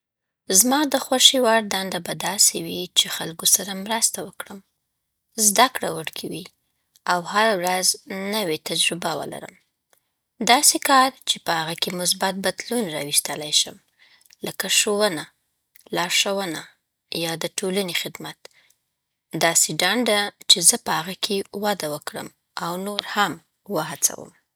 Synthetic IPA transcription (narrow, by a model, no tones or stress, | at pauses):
zmɑd̪əxwaʃiwɑɽd̪and̪abad̪ɑsewit͡ʃexalɡosaɾamɾast̪awəkɽəm | zd̪akɽawəɽkʰawi | awhaɾawɾaznəwet̪ad͡ʒɾɪbawə̰la̰ɾə̰m | d̪ɑsekɑɾt͡ʃepəhaɣakemʊs̬bat̪̚bad̪lunɾɑwist̪əlajʃəm | ləkaʃowəna | lɑʃawəna | jɑd̪əʈʰolanexɪd̪mat̪ | d̪ɑseɖaɳɖat͡ʃezəpəhaɣakʰewad̪awəkɽə̰m | awnoɾham | wəɦat͡sa̰wə̰m